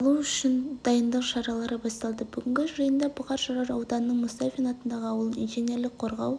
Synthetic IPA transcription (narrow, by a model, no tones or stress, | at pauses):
lˠuʏʃɪnd̪̥ɑjənd̪əqʃɑɾɑlˠɑɾəbɑst̪ɑlˠd̪əbʏɡʲɪŋʲɡʲɪʒʒɑjənd̪ɑbʰɑqɑɾʃɑɾɑɾɑwd̪ɑnənːəɴmʊst̪ɑfʲinɑt̪ənd̪ɑʁəɑwəlˠənḭnʒine̞ɾlɪk̚qʰoɾʁɑw